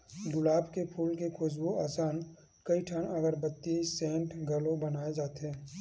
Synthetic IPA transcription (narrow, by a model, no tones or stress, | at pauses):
ɡʊlaːbkepʰuːlkekʰʊs̬boaːsaːn | kɐiʈʰaːnɐɡəɾbət̪ːisɛ̃ːɳʈɡɐlobənaːed͡ʒaːt̪eɦɛ̃ː